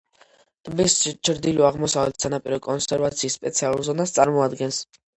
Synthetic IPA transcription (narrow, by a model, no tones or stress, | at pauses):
t̪ʼbist͡ʃʰɾd̪iluaʁmɔsavlɛt̪ʰsanapʼiɾɔkʼɔnsɛɾvat̪sʰiːsːpʼɛt̪sʰialˠulˠzɔnast̪sʼaɾmɔad̪ɡɛns